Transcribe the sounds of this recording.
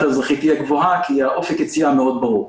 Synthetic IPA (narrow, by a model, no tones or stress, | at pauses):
tazʁaχit̪iaɡvoɦakʰiaʔo̞fekjet͡siameo̞d̪̚baʁuʁ